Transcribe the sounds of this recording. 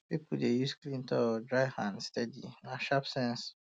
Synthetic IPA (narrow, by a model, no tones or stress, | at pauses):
pipudejusklĩntʰɔdɹaɪhãndstɛdḭnaʃapsɛ̃ns